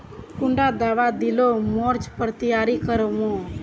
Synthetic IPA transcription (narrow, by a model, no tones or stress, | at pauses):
kʊɳɖad̪aːʋad̪ɪlomoːɾt͡ʃpəɾt̪əjaːɾikəɾmõː